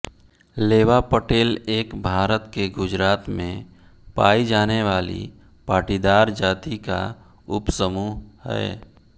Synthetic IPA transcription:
leːʋapəʈeːleːkbʱaːɾət̪keɡʊd͡ʒɾaːt̪mḛ̃ | paːid͡ʒaːneʋaːlḭ | paːʈiːd̪aːɾd͡ʒaːt̪ika̰ | ʊpsəmuːɦhɛ̰ː

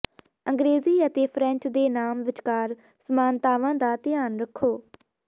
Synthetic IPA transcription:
əŋɡɾeːziːət̪eːpʰɾɛ̃ɲt͡ʃd̪eːnaːmʋɪt͡ʃkaːɾ | səmaːnt̪aːʋãːd̪aːt̪ɪjaːnɾəkʰːoː

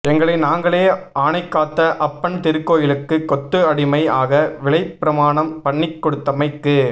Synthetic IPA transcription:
ɛŋɡɐɭɐɪnaːŋɡɐɭeːʔaːɳɐɪkːaːt̪ːɐʔɐpːɐɳt̪ɪɾɯkːoːjɪlɯkːɯkːɔt̪ːɯɐɽɪmɐɪa̰ːɣɐʋɪɭɐɪpːɪɾɐmaːɳɐmpɐɳːɪkːɔɽɯt̪ːɐmɐɪkːɯ

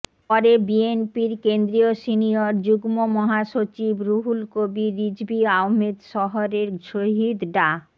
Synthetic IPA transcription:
pɔɾebienpiɾkend̪ɾiosinioɾd͡ʑuɡmomɔɦaʃot͡ɕibɾuɦulkobiɾid͡ʑbiawmed̪ʃɔɦoɾeɾʃoɦid̪ɖa

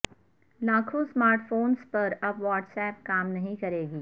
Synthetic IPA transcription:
laːkʰosmaːɾʈfoːnspɐɾɐbʋaːʈsɛːp̚kaːmnɐɦĩkɐɾeːɡiː

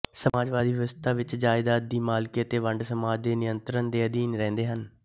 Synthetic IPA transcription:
səmaːd͡ʒʋaːd̪iːʋɪʋəst̪ʰaːʋɪt͡ʃd͡ʒaːɪd̪aːd̪̚d̪iːmaːlkeːət̪eːʋəɳɖsəmaːd͡ʒd̪eːnɪjənt̪ɾənd̪eːəd̪iːnɾɛ̃ːnd̪eːɦən

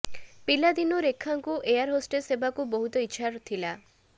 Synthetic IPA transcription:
pilad̪inoɾekʰːaŋkuʔejaɾɦosʈesebakubɔɦut̪ɔiːʃʰaɾt̪ʰila

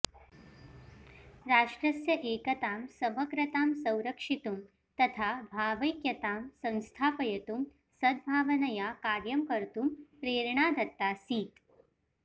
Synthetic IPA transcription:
ɾaːʂʈɾɐsjɐʔeːkɐt̪aːmsɐmɐɡɾɐt̪aːmsɐ̃wɾɐkʂit̪um | t̪ɐt̪ʰaːbʱaːʋɐjkjɐt̪aːmsɐ̃ñst̪ʰaːpɐjɐt̪um | sɐd̪̚bʱaːʋɐnɐjaːkaːɾjɐmkɐɾt̪umpɾeːɾɳaːd̪ɐt̪ːaːsiːt̪

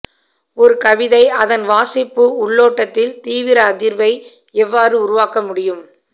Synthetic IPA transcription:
ɔɾɯkɐʋɪðɐɪʔɐðɐnʋaːsɪpːɯʊɭːoːʈːɐt̪ːɪlt̪iːʋɪɾɐːðɪɾʋɐɪ | ɛʋːaːrɯʊɾʊʋaːkɐmʊɽɪjɯm

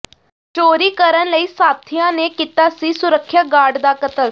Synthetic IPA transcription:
t͡ʃoːɾiːkəɾənləiːsaːt̪ʰijãnekit̪asisʊɾəkʰːjaɡaːɽd̪aːkət̪ət̪

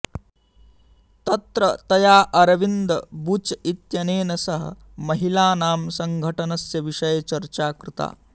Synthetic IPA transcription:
t̪ɐt̪ɾɐt̪ɐjaːʔɐɾɐʋind̪ɐbut͡ʃɐit̪jɐneːnɐsɐɦɐ̰ | mɐɦilaːnaːmsɐŋɡʱɐʈɐnɐsjɐʋiʂɐjɐt͡ʃɐɾt͡ʃaːkɾɪt̪a̰ː

